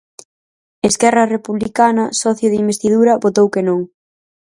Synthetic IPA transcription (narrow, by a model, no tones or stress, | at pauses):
eskɛrɐrepuβlikanɐsɔθjoðimbest̪iðuɾɐβot̪owkenõŋ